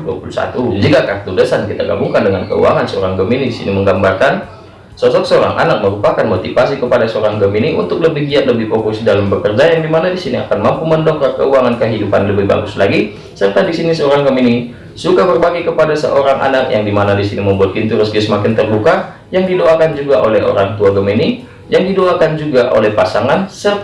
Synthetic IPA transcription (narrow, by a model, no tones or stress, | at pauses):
dua̰pulusa̰t̪ud͡ʒikakart̪udəsankit̪aɡa̰buŋkandəŋankə̰ṵwa̰ŋansəo̰ɾaŋɡəminidisḭniməŋɡambarkan | sɔsɔk̚səoɾa̰ŋʔa̰nak̚məɾupakanmot̪ifasikəpadasəoɾaŋɡəminiʔṵnt̪ʊk̚ləbɪhɡiat̪̚ləbɪhpɾokusidalambəkərd͡ʒajaŋdimanadisinia̰kanmampuməndɔk̚tɔrkə̰uaŋankəɦidupanləbɪhba̰ɡʊslaɡi | sərt̪adisinisəoɾaŋɡəmini | sukabərbaɡajkəpadasə̰ʔoɾaŋʔa̰nak̚jaŋdimanadisiniməmbuat̪̚int̪uɾʊsɡiasəmakɪnt̪ərluka | jaŋdidoakand͡ʒuɡaʔolɛɦo̰ɾaŋt̪uaɡəmini | jaŋdidoakand͡ʒuɡaʔo̰lɛhpasaŋansər